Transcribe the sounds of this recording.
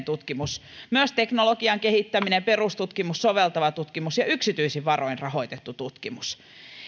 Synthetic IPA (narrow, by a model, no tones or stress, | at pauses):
t̪ut̪kimusmyøst̪eknolokiɑŋkehit̪ːæminemperust̪ut̪kimussoʋelt̪ɑʋɑt̪ut̪kimusjɑyksit̪yisiʋʋɑroinrɑhoit̪et̪ːut̪ut̪kimus